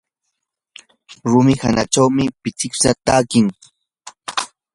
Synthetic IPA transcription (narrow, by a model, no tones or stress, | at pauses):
ɾʊmɪhanaʈ͡ʂawmɪpɪt͡sɪksat̪aːkɪŋ